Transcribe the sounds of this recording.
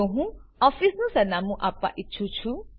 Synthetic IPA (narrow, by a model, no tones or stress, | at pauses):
uɦũɔfisnũsanamũʔapa̰ʔit͡ʃʰut͡ʃʰu